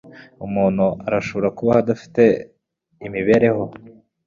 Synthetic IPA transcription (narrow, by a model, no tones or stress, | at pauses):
umuːn̥huaɾaʃo̞βo̞ɾakuβahad̪afi̥te̞ | imiβe̞ːɾe̞ho̞